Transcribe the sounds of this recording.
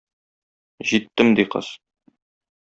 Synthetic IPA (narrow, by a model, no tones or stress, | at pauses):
ʑit̪ːɘmd̪iqɤ̰z